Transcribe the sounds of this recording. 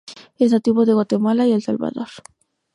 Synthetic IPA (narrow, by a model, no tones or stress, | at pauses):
eznat̪iβoðe̞ɣwat̪e̞malaielsalβa̰ðo̞ɾ